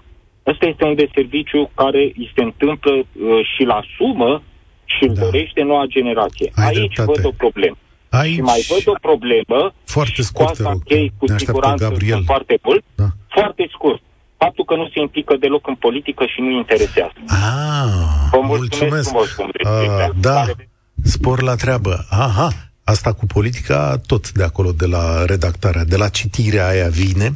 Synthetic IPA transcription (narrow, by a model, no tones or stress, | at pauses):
ast̪aje̞st̪e̞und̪e̞se̞rvit͡ʃjukaɾe̞ise̞ɨnt̪ɨmpləəʃilasumə | ʃid̪d̪o̞ɾe̞ʃt̪e̞no̞wad͡ʒe̞ne̞ɾat̪sije̞̰ait͡ʃʲvəd̪o̞pɾo̞ble̞mə | aʃimajvəd̪o̞pɾo̞ble̞məfoaɾʃeksakʲejkusiɡuɾanɡaiefoart̪e̞mult̪̚foart̪e̞skurt̪̚ | fap̚t̪ulkənuse̞implikəd̪e̞lo̞kɨnpo̞lit̪ikəʃinuint̪e̞ɾe̞sea̰zəa | vəmulultssmsuemesvskṵned̪a | spo̞rlat̪ɾeabəaɦa | ast̪akupʰo̞lit̪̬i̥ka̰t̪o̞t̪d̪e̞ako̞lo̞d̪e̞laɾe̞d̪akt̪aɾead̪e̞lat͡ʃit̪iɾeaːjavine̞